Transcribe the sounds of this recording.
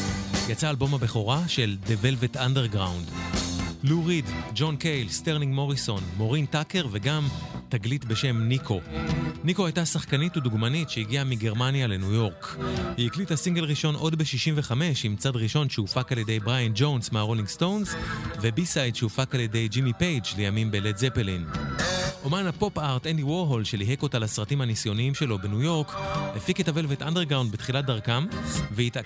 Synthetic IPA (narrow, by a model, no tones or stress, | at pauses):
jat͡saːlbo̞mabeχo̞ʁaʃe̞lde̞ve̞lvetandeʁɡʁa̰wnd | luʁidd͡ʒo̞nkejlsteʁniŋɡmo̞ʁiso̞nmo̞ʁintake̞ʁve̞ɡamtaɡlitbe̞ʃe̞mnikʰo̞niko̞ajtasaχkanituduɡmanitʃeiɡiamiɡe̞ʁmanjale̞nujo̞ʁkhiiklithasiŋɡe̞lʁiʃo̞nʔo̞dbeʃiʃimveχame̞ʃimt͡sadʁiʃo̞nʃeufakaljede̞jbʁajand͡ʒo̞wnsmaʁoliŋɡsto̞wnzvebisajdʃeufakaljede̞jd͡ʒimipejd͡ʒlejamimbeledzepelin | ʔomanapo̞paʁtendiwoʁɦolʃeliɦeko̞talasʁatimhanisjo̞niimʃe̞lo̞benujo̞ʁklefikitave̞lvetʔandeʁɡʁawndbetχilat̚daʁkamveit